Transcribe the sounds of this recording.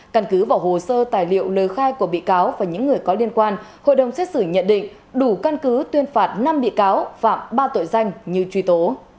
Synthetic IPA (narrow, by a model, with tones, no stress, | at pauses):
ka˧˩nkɨ˨˦vaː˨˩who˨˩səː˧t̪aː˨˩jlḭ˧˨əwləː˨˩jxaː˧jku˧˩əɓḭ˧˨kaː˨˦wvaː˨˩ɲɨ̰˧˥ŋːɨ˨˩əjkɔ˨˦li˧ənkwaː˧nho̰˧˨jɗə˨˩wŋ͡msɛ˦˥t̚sɨ˧˩ɲə̰˧˨nɗḭ̈˧˨ŋ̟ | ɗu˧˩ka˧nkɨ˨˦t̪wi˧ənfaː˨˩t̚na˧mɓḭ˧˨kaː˨˦wfa̰ː˧˨mɓaː˧t̪o̰˧˨jza˧jŋ̟ɲi˨˩wt͡ɕwi˨˧˦t̪o˨˦